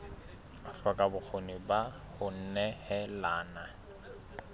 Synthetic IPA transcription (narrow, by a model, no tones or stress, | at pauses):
ʊɬwakʼabʊk͡xʰoniba | hʊn̩nɛhɛlaːna